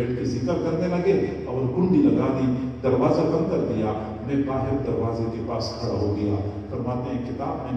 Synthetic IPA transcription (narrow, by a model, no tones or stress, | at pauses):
eːʈkizɪkəɾkɐɾnelɐɡe | ɔːɾɡʊ̃ɳd̪ʱilɐɡaːd̪id̪ɐɾʋaːzabɐ̃nkɐɾd̪ija | nẽbaːɦɪɾd̪ɐɾʋaːzekepa̰ːskʰɐɽa̰ɦoɡɐja̰ː | fɐɾmaːt̪eɦɛ̃kɪt̪a̰ːbmẽ